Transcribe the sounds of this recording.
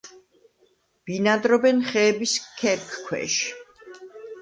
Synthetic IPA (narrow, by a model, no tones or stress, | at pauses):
b̥inad̪ɾɔbɛnχɛːbiskʰɛɾkʰkʰwɛ̰ʃ